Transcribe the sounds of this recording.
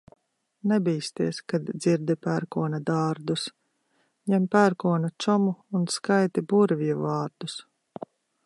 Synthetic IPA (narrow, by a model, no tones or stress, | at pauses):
nɛbiːst̪iɛskad̪d̪z̥iɾd̪ipæɾkuɔnad̪aːɾd̪us | ɲɛmpæɾkuɔnat͡ʃɔmuːnskajt̪ibuɾviɛvɑːɾd̪us